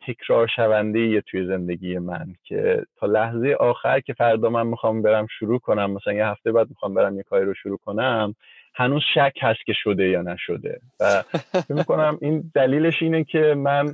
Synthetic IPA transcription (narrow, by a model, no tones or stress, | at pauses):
t̪ʰe̞kʰɾɒːɾʃævænd̪e̞jijet̪ʰuje̞ze̞nd̪e̞ɟʲiːje̞mæ̰ncʰe̞̰t̪ʰɒːlæhze̞je̞ʔɒːxæɾcʰe̞fæɾd̪ɒːmænmixɒːmbe̞ɾæmʃuɾuːkʰo̞næmːæsælænjehæft̪ebæːd̪̚mixɒːmbe̞ɾæmjekʰɒːɾiɾoʃuɾuːkʰo̞næm | hænuːz̥ʃæcʰhæst̪̚kʲe̞ʃod̪e̞jɒːnæʃod̪e̞̰væfecmiko̞næmiːnd̪æliːle̞ʃiːnecʰe̞mæn